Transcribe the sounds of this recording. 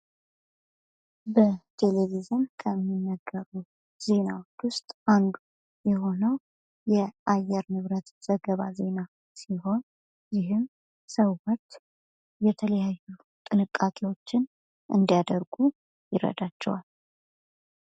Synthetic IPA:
bət̪ʰe̞levizɨnkʰəmːinːəɡːəɾu | z̥e̞nawot͡ʃːwʊst̪ʼʔand̪u | jɛho̞nəw | jɛʔajːɛɾnɨβɾət̪z̥əɡəβa̰ze̞na | siho̞n | jɪɦɨm | səβwɔt͡ʃː | jɛt̪ʰələjaju | t̪ʼɨnɨkʼːakʼewo̞t͡ʃːɪn | ʔɨ̰nd̪ijad̪əɾɡu | jɪɾə̰d̪at͡ʃːɛ̰wal

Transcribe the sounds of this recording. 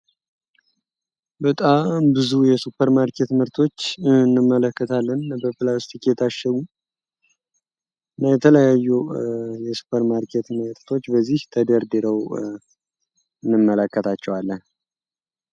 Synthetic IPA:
bət̪ʼambɨzujɛsupːəɾmaɾkʰe̞t̪mɨɾt̪ʰo̞t͡ʃːnːɨmːələkːət̪ʰalːənbəplast̪ikʰet̪ʰaʃɛwu | ɨnːajɛt̪ʰələjajːujɛsu̥pʰəɾmaɾkʰe̞t̪mət̪ʼt̪ʰo̞t͡ʃːbəzːiht̪ʰəd̪əɾd̪ɨɾəw | ɨnːɨmːələkːət̪ʰat͡ʃːɛwalːən

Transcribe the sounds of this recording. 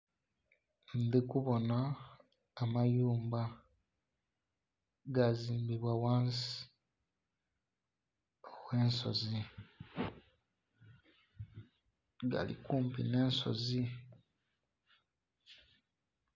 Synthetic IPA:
nd̪ikuβo̞naː | majuːmba | ɡaziːmbiβwawaːnsi̥ | owwe̞ːnso̞̰zi | ɡa̰lḭkuːmpḭne̞ːnso̞̰zi

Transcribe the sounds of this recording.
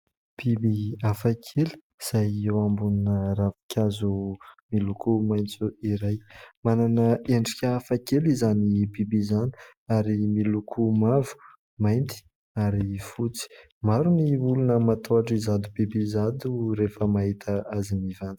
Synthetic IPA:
b̥ibiafakʰelə̥ | z̥ajewambuninəravi̥kʲʰazumilukumajnt͡suiɾajmananəʔeɳɖ͡ʐikʲəːfakelizanibibizani̥ | aɾimilukʰumavu̥ | majnt̪i̥ | aɾifut͡si̥ | maɾuniulunəmat̪ʰoaʈ͡ʂizad̪ubibizad̪uɾefəmaɦit̪ʰəazimivand̪̥

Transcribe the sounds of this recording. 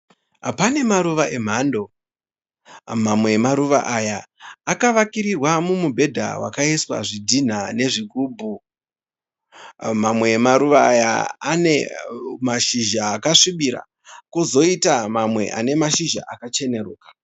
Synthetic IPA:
pane̞maɾuʋaʔe̞m̤ando̞ | mamwe̞ːmaɾuʋa̰ʔajaːkaʋakiɾirwamumubʱe̞dʱa̰wa̰kaiswa̰ʐidʱin̤ane̞ʐikuːbʱu | mamwe̞ːmaɾuʋaːja̰anemaʃiʒaːkaʂiɓiɾa̰ | kuzo̞itamamwe̞̰ʔa̰ne̞maʃiʒa̰ʔakat͡ʃe̞ne̞ruːkḁ

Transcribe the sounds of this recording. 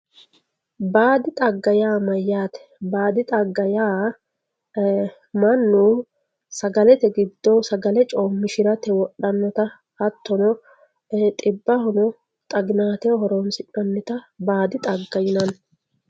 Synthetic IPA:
baːd̪ɪt̪ʼɐɡːɐjaːmɐjːaːt̪ɛ̥baːd̪ɪt̪ʼɐɡːɐjaː | mɐnːuː | sɐɡɐlɛt̪ɛɡɪd̪ːɔsɐɡɐlɛt͡ʃʼoːmːɪʃɪɾɐt̪ɛwɔɗɐnːɔt̪ɐ | hɐt̪ːɔnɔ | t̪ʼɪbːɐhɔnɔ | t̪ʼɐɡnaːt̪ɛhɔɾoːnsɪpʼːɐnːɛt̪ɐbaːd̪ɪt̪ʼɐɡːɐjɪnɐn

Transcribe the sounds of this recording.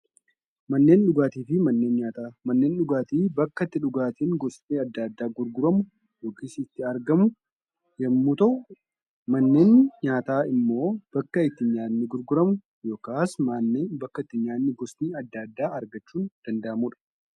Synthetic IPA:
mɐnːe̞ːnᶑʊɡaːt̪iːfɪmɐnːe̞ːnɲaːt̪amɐnːe̞ːnᶑʊɡaːt̪iːbɐkːɐt̪ːɪᶑʊɡaːt̪iːŋɡɔsmiːɐd̪ːad̪ːaːɡʊɾɡʊɾɐmʊ | joːkiːsɪt̪ːɪɐɾɡɐmʊ | jɐmːuːt̪ɐʔʊ | mɐnːe̞ːnɲaːt̪aːɪmːo̞ːb̥ɐkːɐɪt̪ːɪɲaːnːɪɡʊɾɡʊɾɐmʊ | jo̞ːkaːsmaːnːeːnbɐkːɐɪt̪ːɪɲaːnːɪɡɔsmiːɐd̪ːaːd̪ːaːɐɾɡɐt͡ʃːuːnd̪̥ɐnd̪ɐʔɐmuːᶑɐ̥

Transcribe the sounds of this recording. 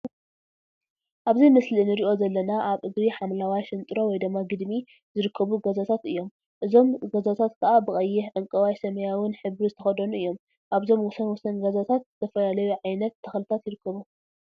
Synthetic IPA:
ʔaβzɐjmɨslinɨɾiʔo̞zɐlːɐnaʔaβʔɨɡɾiħamlawajʃɨnt̪ʼɨɾo̞wɔjd̪ɨmːaɡɨd̪mi | zɨɾɨkʰːɐβuɡɐzat̪ʰat̪ɨjːo̞m | ʔɨzo̞mɡɐzat̪ʰat̪kʰɐʔabɨxʼɐjːɛħʕɨŋkʼɐwajsɐmɐjawɨnħɨβizɨt̪ʰɐxɐd̪ɐnuʔɨjːo̞m | ʔaβzo̞mwɔsɐnwɔsɐnɡɐzat̪ʰat̪zɨt̪ʰɐfɐlalɐjuʕajnɐt̪ʰːɐxlɨt̪ʰat̪jɪɾɨkʰːɐβu

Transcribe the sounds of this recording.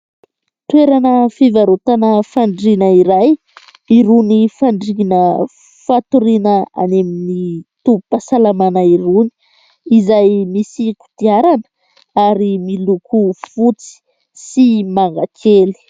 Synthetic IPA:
t̪weɾanəfivaɾut̪anəfaɳɖ͡ʐinəiɾaj | iɾunifaɳɖ͡ʐinə | fat̪uɾinəa̰neminit̪upasalamanaiɾuni̥ | izajmisiku̥t̪iaɾanə̥ | aɾimilukufut͡si̥ | simaŋɡakʰeli̥

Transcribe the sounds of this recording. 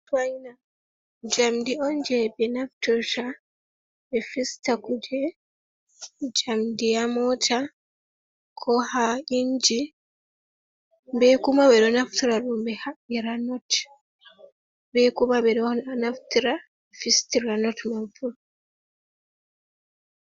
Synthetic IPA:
twaina | d͡ʒamdioɲd͡ʒebenafu̥toʃa | efistakud͡ʒe | d͡ʒamdiamota | kʰohaiɲd͡ʒi | mbekumaβeɾonafu̥tiɾaɾuːmbehaeɾanot | bekumaβeɾonafu̥tiɾa | efistiɾanotmaɱfuɾu

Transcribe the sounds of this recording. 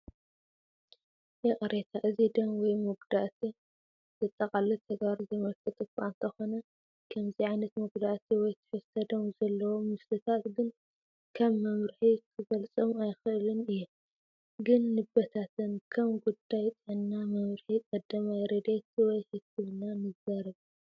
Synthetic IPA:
ʔɪχʼɾet̪ʰaʔɨzid̪ɐmwɔjmɨɡd̪aʔt̪ʰi | z̥ɨt̪ʼːɐkʼalɨt̪ʰɐɡβaɾizɐmɐlfɨt̪ʼɨkʷʼa̰nt̪ʰɐxo̞nɐ | kʰɐmziʕajnɐt̪mɨɡd̪aʔt̪ʰiwɔjt̪ʰɨ̥ħɨzt̪ʰɐd̪ɐmzɐlːɐwomɨslɨt̪ʰat̪ɡɨn | kʰɐβːɐmɾħikʰɨɡɐlt͡sʼɨmajxɨʔɨlɨnɨjːum | ɡɨnːɨbɐt̪ʰat̪ʰɨnkʰɐmɡud̪ajt͡s̪ʼɨʕɨnːamɐmɾħikʼɐd̪ːɐmajɾɐd̪et̪wɔjhɨkʰːɨβnanɨzaɾɐβ

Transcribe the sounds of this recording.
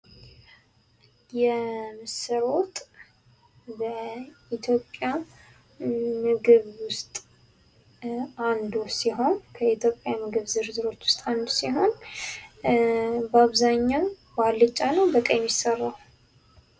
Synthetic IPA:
jɛmɨsɨɾo̞t̪ʼ | bəit̪ʰjo̞pʼːja | mɨɡɨβwʊst̪ʼ | and̪usiɦo̞nkʰəit̪ʰjo̞pʼjajɛmɨɡɨβzɨɾzɨɾo̞t͡ʃ̪ːwʊ̥st̪ʼand̪usiɦo̞n | bəaβzaɲːaw | balːɨt͡ʃʼːanəwbəkʼəjɛmjisərːaw

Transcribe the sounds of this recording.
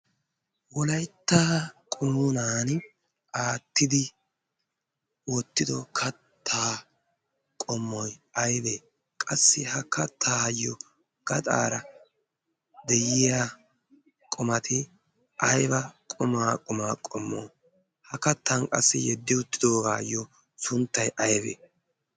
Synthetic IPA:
wɔlɐjt̪ːaːkʼʊmunaːn | aːt̪ːɪd̪ɪ | wot̪ːɪd̪ɔkʰɐt̪ʰːaː | kʼɔmːɔjɐjb̪eː | kʼɐsːɪhɐkɐt̪ʰːaːjɔ | ɡ̥ɐt̪ʼa̰ːɾɐ | d̪ɛjɪja | kʼʊmɐt̪ʰɪ | ʔɐjbɐkʼʊmaːkʼʊmaːkʼɔmːo̰ː | hɐkɐt̪ːɐnkʼɐ̰sːɪjɛd̪ːɪʊt̪ːɪd̪oːɡaːjːɔ | sʊnt̪ːɐjʔɐjbḛː

